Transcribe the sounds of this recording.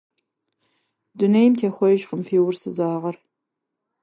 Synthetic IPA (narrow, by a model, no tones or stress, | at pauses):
dunejmtʰeːxʷɔjɪʒqəmfiːwʊrsɨzaːʁɐr